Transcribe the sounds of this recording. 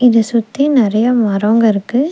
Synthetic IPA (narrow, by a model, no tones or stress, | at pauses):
ɪðɯsʊt̪ːinɪɾɐjɐmɐɾoːŋɡɐɪɾɯkːɯ